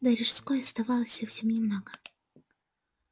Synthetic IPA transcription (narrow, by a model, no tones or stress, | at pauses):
d̪ɐɾʲɪʂskojɐst̪ɐvɑlˠəsʲɐfsʲemnʲɪmnoɡə